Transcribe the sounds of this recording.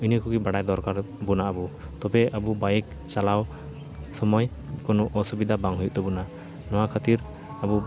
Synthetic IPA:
inikuɡibaɽajd̪ɔɾkaɾ | bunaabut̪ɔbɛabubajɛk̚ | t͡ʃalaw | sɔmɔj | kɔnɔʔɔsubid̪ʱabaŋɦujuʔt̪ɔbuna | nɔwakʰat̪iɾ | abu

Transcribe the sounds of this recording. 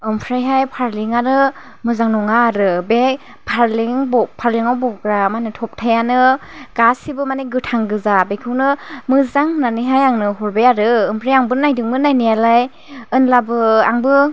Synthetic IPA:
ɯmpʰɾajɦajpʰaɾliŋaɾɯ | mɯzaŋnɔŋaːɾɯbe | pʰaɾliŋbɔpʰaɾliŋawbɔɡɾamanɯtʰɔp̚tʰajanɯɡ̥asibɯmaneɡɯtʰaŋɡɯzabekʰɯwnɯmɯzaŋnaniɦajaŋnɯɦɔɾbejaɾɯɯmpʰɾajaŋbɯnajdɯŋbɯnajnijalaj | ɯnlabɯaŋbɯ

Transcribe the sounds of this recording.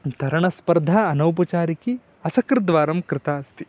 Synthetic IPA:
t̪ɐɾɐɳɐspɐɾd̪ʱaːɐnɐwp̬ɐt͡ʃaːɾiki | ɐsɐkɾd̪ʋaːɾɐmkɾɪt̪aːst̪i

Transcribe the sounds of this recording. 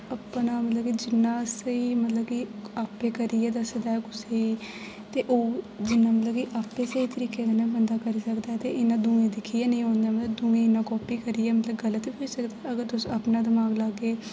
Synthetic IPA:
əpnaːmət̪ləbkid͡ʒɪnːãːsəiːmət̪ləbkiaːpːeːkəɾijɛːd̪əsd̪aːɛːkʊseiː | t̪eːʔoː | d͡ʒɪnːãːmət̪ləbkiʔaːpːeːsəiːt̪əɾiːkeːkənãːbənd̪aːkəɾiːsəkd̪aːɛt̪eːʔɪnãːd̪ũːɡẽːd̪ɪkʰːijaːnəĩɦõːnd̪aːmət̪ləb̚d̪ũːɡẽːɪnːãːkɔːpiːkəɾiːɛːmət̪ləbɡələt̪iɦoisəkd̪aɛəɡəɾt̪ʊsapnaːd̪ɪmaːɡlaːɡeː

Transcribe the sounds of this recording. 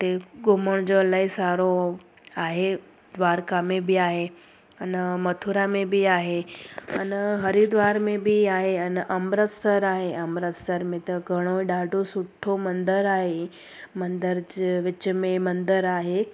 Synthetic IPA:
t̪eɡʊməɽ̃d͡ʑolaːɦisaːɾo | aːɦe | d̪ʋaːɾkamẽbɪaːɦe | ɐnəmɐt̪ʰuɾamẽbiaːɦeɐ̰nəɦɐɾid̪ʋaːɾmẽbiaːɦeɐnʔɐmɾət̪səɾaːɦeɐmɾət̪səɾmẽt̪ɐɡʱɐɽ̃oiɗaːɖʱosʊʈʰomɐ̃nd̪əɾaːɦe | mɐ̃nd̪əɾd͡ʑeʋɪt͡ɕəmẽmɐ̃nd̪əɾaːɦe

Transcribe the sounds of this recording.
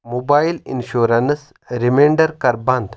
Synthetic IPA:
mobailḭnɕoɾɐns | ɾimeɳɖɐɾkɐɾbɐnd̪

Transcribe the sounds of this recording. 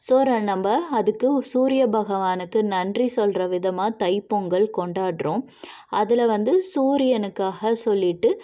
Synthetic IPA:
soːɾɐnɐmbɐɐðɯkːɯsuːɾɪjɐbɐɣɐʋaːnɯkːɯnɐndrisɔlrɐʋɪðɐmaːt̪ɐɪpːɔŋɡɐɭkɔɳɖaːɽɾõː | ʔɐðɪlɐʋɐnd̪ɯsuːɾɪjɐnɯkːaːɣɐsɔlːɪʈːɯ

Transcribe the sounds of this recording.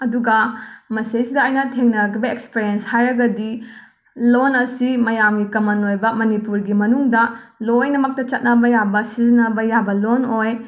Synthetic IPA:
ɐduɡɐmɐsejsidɐːjnɐtʰeŋnɐkʰibɐekspiɾienshajɾɐɡɐdi | lonɐsimɐjamɡikɐmɐnojbɐmɐnipuɾɡimɐnuŋdɐlojnɐmɐk̚tɐt͡ʃɐt̚nɐbɐjabɐsizinɐbɐjabɐlonoj

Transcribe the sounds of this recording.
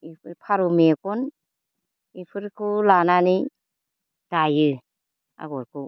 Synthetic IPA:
ippʰaɾumekun | ipʰɯɾkʰulanani | d̥ajɯ | a̰ɡɔɾkʰu

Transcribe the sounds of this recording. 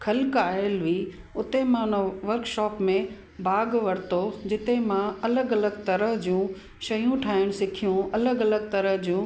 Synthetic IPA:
kʰɐlkaːəlʋiː | ʊt̪emãʊnəʋɐɾkʃɔːpmẽ | baːɡʋɐɾɪt̪od͡ʑɪt̪ẽmãɐləɡɐləɡt̪ɐɾəɦd͡ʑũ | ʃɐjũʈʰaːɦɪɽ̃sɪkʰijũɐləɡɐləɡ̚t̪ɐɾəɦd͡ʑũ

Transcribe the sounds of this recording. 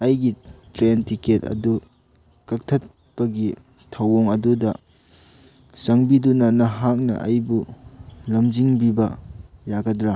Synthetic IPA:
ɐjɡitɾentiketɐ̰du | kɐk̚tʰɐt̚ | pɐɡi | tʰɐwoŋɐdudɐ | sɐŋbidunɐnɐɦak̚nɐ̰ʔɐ̰jbulɐmd͡ʒiŋbibɐjaɡɐdɾa

